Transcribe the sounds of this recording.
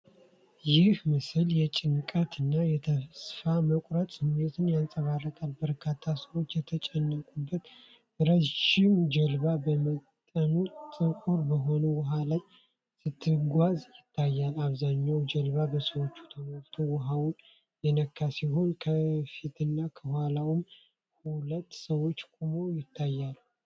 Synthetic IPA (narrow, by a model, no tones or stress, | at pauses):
jɪhmɨsɨljɛt͡ʃʼɪŋkʼət̪ʰɨnːajɛt̪ʰəsfaməkʼɾət̪ʼsɨmnet̪ʰɨnjansʼəβarət̪ʰalbəɾkʰat̪ʰːasəwo̞t͡ʃːjɛt̪ʰət͡ʃʼɛnːəkʼubːət̪ | ɨɾəʃɪmd͡ʒəlβabəmətt̪ʼːənut̪ʼɨkʼuɾbəɦo̞nəwʊɦala | sɨt̪ʰːɨɡʷazjɪt̪ʰːajːalaβzaɲːawd͡ʒɛlβabəsəwo̞t͡ʃːu̥t̪ʰəwaɾt̪ʰuwʊɦawun | jɛnəkʰːasiɦo̞nkʰəfit̪ʰɨnːakʰəhʷalawʊm | hulət̪ːsəwo̞t͡ʃːkʼumojɪt̪ʰːajːalu